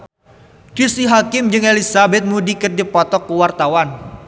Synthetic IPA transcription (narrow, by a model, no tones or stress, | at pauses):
d̥isiɦakɪmd͡ʒɨŋelisabɛt̪̚mudikɨrdipɔt̪ɔkːuwart̪awan